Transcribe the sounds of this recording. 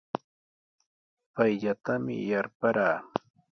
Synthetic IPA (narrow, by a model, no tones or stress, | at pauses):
pajʎat̪amɪ̰jaɾpaɾaː